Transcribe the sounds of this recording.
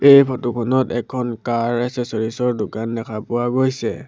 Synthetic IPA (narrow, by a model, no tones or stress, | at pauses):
ejpʰɔtukʰɔnɔtɛkʰːɔnkaɹɛsɛsɔɹisɔɹdʊkandɛkʰapʊwaɡojsɛ̰